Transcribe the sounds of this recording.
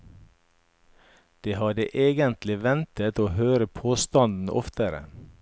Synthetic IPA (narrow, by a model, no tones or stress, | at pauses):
d̪̥eːhɑd̪ə̰ʔeːɡənt̪lɪʋɛnt̪ət̪oːhøːɾəpʰoːst̪ɑnd̪n̩ɔ̰ft̪əɾə̰